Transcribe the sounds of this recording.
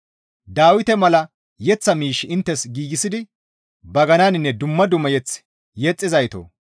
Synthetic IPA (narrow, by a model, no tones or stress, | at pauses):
d̪aːwɪt̪ɛmɐlɐ | jɛt͡sːɐmiːʃɪɪnt̪ːɛsɡiːɡɪsɪd̪ɪ | bɐɡɐnaːnɪnːɛd̪ʊmːɐd̪ʊmɐjɛt͡s | jɛt͡sʼːɪzɐjt̪o̰ː